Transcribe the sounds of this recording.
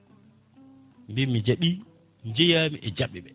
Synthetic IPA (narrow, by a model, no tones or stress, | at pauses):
mbimːid͡ʒaɓi | nd͡ʒɛjaːmiʔɛd͡ʒaɓːɛɓɛ